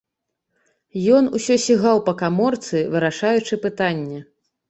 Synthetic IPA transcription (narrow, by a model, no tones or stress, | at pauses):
jɔnusʲɔsʲiɣawpɐkamɔrt̪sɨvɨɾaʂajut͡ʂɨpɨt̪anʲːɛ